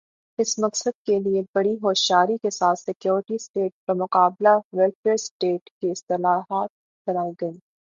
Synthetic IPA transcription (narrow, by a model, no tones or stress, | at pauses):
ɪsmɐqsəd̪̚keliebɐɽiɦoːʃjaːɾikesaːt̪sɪkjoːɾʈisʈeːʈ̚pɐɾmʊqaːblaʋɛlfeːɾsʈeːʈkiɪst̪ɪlaːɦaːt̪̚ | b̥ɐnaːiɡɐiː